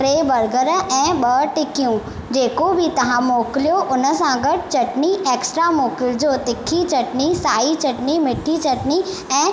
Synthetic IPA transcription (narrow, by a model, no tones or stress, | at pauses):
pɾeːbɐɾɡəɾɛ̃ːɓɐʈɪkijũ | d͡ʑeːkobʱit̪ɐʋ̤ãmoːkɪlijoʔʊnə̆sãɡɐɽ̚t͡ɕɐʈnieːksʈɾamoːkɪld͡ʑoːt̪ɪkʰːit͡ɕɐʈnisaːit͡ɕɐʈnimɪʈʰːit͡ɕɐʈni | ɛ̃ː